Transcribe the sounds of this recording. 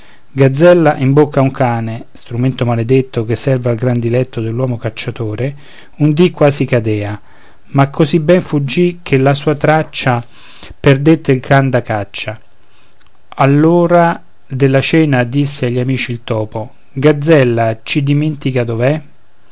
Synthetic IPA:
ɡad̪zːɛlːaʔimbokʰːauŋkaːnest̪ɾument̪omaled̪et̪ːokesːɛrvalɡɾand̪ilɛt̪ːod̪elːwɔːmokat͡ʃːat̪oːɾe | und̪ikːwaːzikad̪ɛːa | makʰːozibɛɱfud͡ʒːikʰelasuːat̪ɾat͡ʃːa | perd̪et̪ːeilkand̪akat͡ʃːa | alːoːɾa | d̪elːat͡ʃɛːnad̪isːeaʎːamiːt͡ʃiːlt̪ɔːpo | ɡad̪zɛlːat͡ʃid̪iment̪ikad̪ovɛ

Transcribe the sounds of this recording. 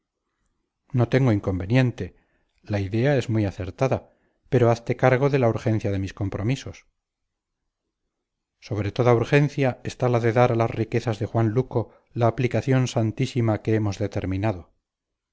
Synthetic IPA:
no̞t̪e̞ŋɡo̞iŋko̞mbe̞njẽ̞nt̪e̞ | laiðe̞ae̞zmujaθe̞ɾt̪aða | pe̞ɾoaθt̪e̞kaɾɣ̞o̞ðe̞lauɾxe̞n̟θjaðe̞misko̞mpɾo̞miso̞s | so̞β̞ɾe̞t̪o̞ðauɾxe̞nθjaest̪alaðe̞ðaɾalasrike̞θazðe̞xwanluko̞ | laːplikaθjo̞nsant̪isimakeemo̞zðe̞t̪e̞ɾmĩnaðo̞

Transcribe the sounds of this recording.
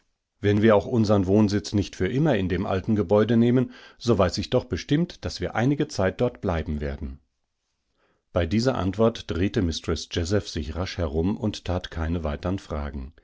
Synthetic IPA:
vɛnviːɐaʊxʔʊnzɐʁənvoːnzɪt͡snɪçtfyːɐʔɪmɐɪndeːmʔa̰ltn̩ɡəbɔʏdəneːmənz̥oːvaɪsɪçd̥ɔχb̥əʃtɪmtd̥asv̥iːɐʔa̰ɪnɪɡət͡saɪt̚d̥ɔɐtb̥laɪbm̩veːɐdn̩ | b̥aɪdiːzɐʔa̰ntv̥ɔɐtd̥ʁeːtəmɪstʁɔsd͡ʒɛzɛfz̥ɪçʁaʃhɛʁʊmʊnttʰaːtkʰaɪnəvaɪtəʁənfʁ̥a̰ːɡŋ̩

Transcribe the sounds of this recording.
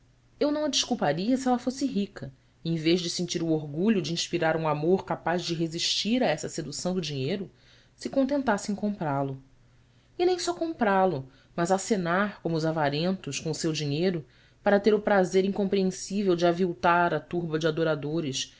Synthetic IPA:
ewnɐ̃w̃ɐd͡ʒiʃkuwpaɾiɐsiɛlɐfosɪɦikɐ | ẽj̃veʒd͡ʒɪsĩnt͡ʃiɾʊoɾɡuʎʊd͡ʒɪĩʃpiɾaɾũamoɾkapazd͡ʒɪɦeziʃt͡ʃiɾaɛsɐsed̪usɐ̃w̃d̪ʊd͡ʒiɲejɾʊ | sɪkõnt̪ẽnt̪asɪẽj̃kõmpɾalʊ | ɪnẽj̃sɔkõmpɾalʊ | mɐzasenaɾkõmʊʊzavaɾẽnt̪ʊʃkõʊsewd͡ʒiɲejɾʊ | paɾɐt̪eɾʊpɾazeɾĩŋkõmpɾiẽsivewd͡ʒɪaviwt̪aɾɐt̪uɾbɐd͡ʒɪad̪oɾad̪oɾɪʃ

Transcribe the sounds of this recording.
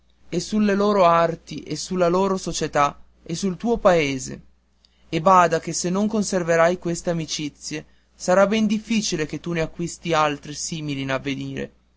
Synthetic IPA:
esulːeloːɾoart̪iʔesulːaloːɾosot͡ʃet̪a | esult̪uːopaeːzḛ | ebaːd̪ak̟esenːoŋkonserveɾajkwest̪eamit͡ʃit̪sːje | saɾabɛnd̪ifːiːt͡ʃileket̪ːuneakːwist̪ialt̪ɾisiːmilinavːeniːɾḛ

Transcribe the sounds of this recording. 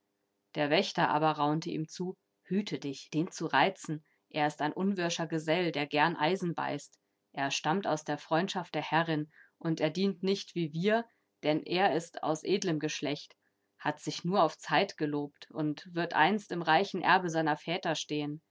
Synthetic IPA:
d̥eːɐvɛçtɐʔa̰ːbɐʁaʊntəḭːmt͡suː | hyːtʰədɪçd̥eːnt͡suʁaɪt͡sn̩ | ʔeːɐɪstaɪnʔʊnvʏɐʃɐɡəzɛldeːɐɡɛɐnʔaɪzn̩ba̰ɪst | ʔeːɐʃtamta̰ʊsd̥eːɐfʁ̥ɔʏntʃaftd̥eːɐhɛʁɪnʔʊnteːɐdiːntnɪçtv̥iːviːɐ | d̥ɛnʔeːɐɪsta̰ʊsʔeːdləmɡəʃlɛçt | hatz̥ɪçnuːɐaʊft͡saɪtɡ̥əloːptʊntv̥ɪɐtʔa̰ɪnstɪmʁaɪçn̩ʔɛ̰ɐbəzaɪnɐfɛːtɐʃteːən

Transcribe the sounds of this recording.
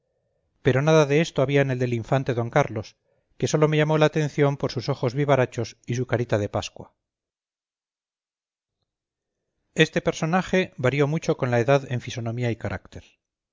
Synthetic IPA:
pe̞ɾo̞naðaðe̞e̞st̪oaβiaene̞ld̪e̞liɱfant̪e̞ðo̞ŋkaɾlo̞s | ke̞so̞lo̞me̞ʝamo̞laːt̪ẽ̞n̟θjo̞mpoɾsuso̞xo̞zβiβaɾat͡ʃo̞sisukaɾit̪aðe̞paskwa | e̞st̪e̞pe̞ɾso̞naxe̞βaɾjo̞mut͡ʃo̞ko̞nlaeðaðe̞ɱfiso̞no̞miaikaɾʔa̰kt̪e̞ɾ

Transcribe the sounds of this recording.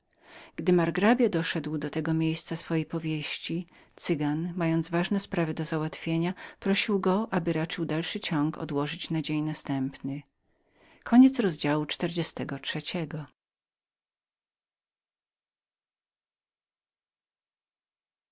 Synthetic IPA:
ɡ̥d̪ɘmaɾɡɾabʲjad̪ɔʂɛd̪wd̪ɔt̪ɛɡɔmʲjejst̪sasfɔjejpɔvʲjeɕt͡ɕi | t̪sɘɡanmajɔnd̪zvaʐnɛspɾavɘd̪ɔzawat̪fʲjeɲapɾɔɕiwɡɔʔabɘɾat͡ʂɘwd̪alʂɘt͡ɕɔŋkɔ̰d̪wɔʐɘt͡ɕnad͡ʑeɲnast̪ɛmpnɘ | kʰɔɲɛt̪sɾɔzd͡ʑawut͡ʂt̪ɛɾd͡ʑɛst̪ɛɡɔt͡ʂʂɛt͡ɕɛɡɔ

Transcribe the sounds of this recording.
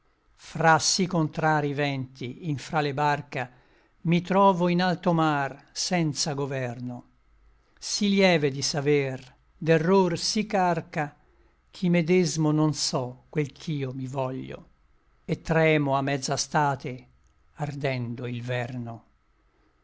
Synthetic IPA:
fɾasikːont̪ɾaːɾivɛnt̪iːɱfɾalebarka | mit̪ɾɔːvoinalt̪omar | sɛnt̪saɡovɛrno | siljɛːved̪isaver | d̪erːorsikːarka | k̟ʰimed̪ezmononsɔkːwelkʰiːomivɔʎːo̰ | et̪ːɾɛːmoamːɛd̪zːast̪aːt̪e | ard̪ɛnd̪oilvɛrno

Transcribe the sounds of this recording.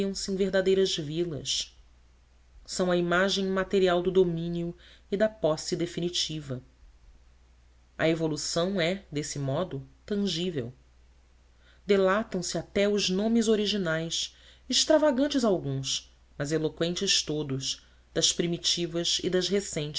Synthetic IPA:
iɐ̃w̃sɪẽveɦd̪ad̪ejɾɐzvilɐ̰s | sɐ̃w̃ɐimaʒẽj̃mat̪eɾiawd̪ʊd̪omĩniʊid̪ɐpɔsid̪efinit͡ʃivɐ | ɐevolusɐ̃w̃ɛd̪esɪmɔd̪ʊt̪ɐ̃ʒivḛw | d̪elat̪ɐ̃w̃sɪat̪ɛʊznõmɪzoɾiʒinajsɪʃt̪ɾavaɡɐ̃nt͡ʃɪzawɡũs | mɐzelokwẽnt͡ʃɪʃt̪od̪ʊʃ | d̪̥ɐʃpɾimit͡ʃivɐzid̪ɐʃɦesẽj̃t͡ʃ

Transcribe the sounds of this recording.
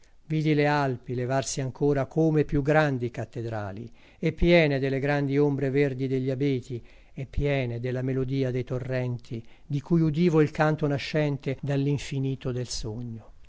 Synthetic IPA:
viːd̪ilealpilevarsiaŋkʰoːɾakʰomepjuɡɾand̪ikat̪ːed̪ɾa̰ːlḭ | epːjɛːned̪elːeɡɾand̪iombɾeverd̪id̪eʎːiabeːt̪i | epːjɛːned̪elːamelod̪iːad̪ejt̪orːɛnt̪ʰi | d̪ikujud̪iːvoilkant̪onaʃːɛnt̪ed̪alːiɱfiniːt̪od̪elsoɲːo

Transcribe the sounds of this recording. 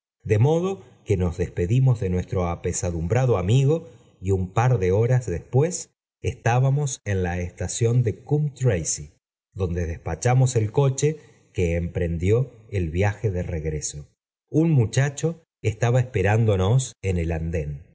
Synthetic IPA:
d̪e̞mo̞ð̞o̞ | ke̞no̞zðe̞spe̞ðimo̞zðe̞nwe̞st̪ɾo̞ape̞saðumbɾaðoamiɣo̞ | iumpaɾðe̞o̞ɾazðe̞spwe̞s | est̪aβamo̞se̞nlaest̪asjond̪e̞kumt̪ɾejsi | ðo̞nd̪e̞ðe̞spat͡ʃamo̞se̞lko̞t͡ʃe̞ | keːmpɾe̞nd̪jo̞elβjaxe̞ðe̞reɣɾeso | unmut͡ʃat͡ʃo̞ | est̪aβaespe̞ɾand̪onoseneland̪e̞n

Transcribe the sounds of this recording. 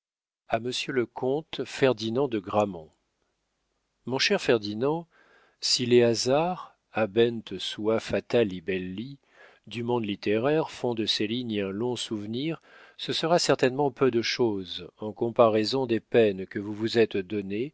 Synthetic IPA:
aməsjøləkʰɔ̃t̪fɛʁd̪inɑ̃d̪əɡʁamɔ̃ | mɔ̃ʃɛʁfɛʁd̪inɑ̃ | sileazaʁ | abɛnt̪swafat̪alebɛlːi | d̪ymɔ̃d̪lit̪eʁɛʁfɔ̃d̪əseliɲɛ̃lɔ̃suvniʁ | səsəʁasɛʁt̪ɛnmɑ̃pød̪əʃozɑ̃kɔ̃paʁɛzɔ̃d̪epɛnkəvuvuzɛt̪d̪ɔne

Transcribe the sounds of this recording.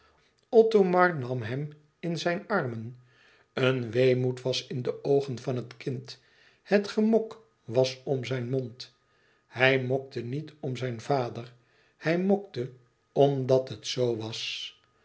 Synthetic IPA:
ɔtomɑɹnɑmɦɛm | ɪnzɛjnɑɹmən | ənʋejmutʋɑsɪndəʔowχənvɑnɦətkɪnt | hətχəmɔk | ʋɑsɔmzɛjnmɔnt | hɛjmɔk̚tənitɔmzɛjnvaːdəɹ | hɛjmɔk̚tə | ɔmdɑtɦətsowʋɑs

